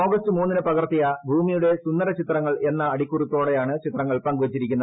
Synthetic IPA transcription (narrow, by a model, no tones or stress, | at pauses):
o̞ːɡɐstɨmuːnːinɨpɐɣɐrt̪ːijɐbʱuːmijuɽe̞sund̪ɐɾɐt͡ɕit̪rɐŋːɐɭe̞nːɐːɽikʲːurut̪ːo̞ːɽe̞jaːɳɨt͡ɕit̪ːrɐŋːɐɭpɐŋɡuʋɐt͡ɕːiɾikʲːunːɐ